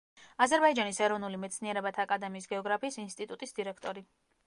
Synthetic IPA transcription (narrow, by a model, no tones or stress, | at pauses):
azɛɾbaid͡ʒanisɛɾɔvnulimɛt̪sʰniɛɾɛbat̪ʰaːkʼad̪ɛmiːsɡɛɔɡɾapʰiːsinst̪ʼit̪ʼut̪ʼisd̪iɾɛkʰt̪ʼɔɾi